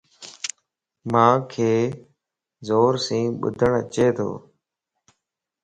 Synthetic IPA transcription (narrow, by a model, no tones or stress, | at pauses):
mãːkʰeː | zoːɾsĩːɓʊ̰d̪ʱəɳət͡ʃeːt̪ʰo̰ː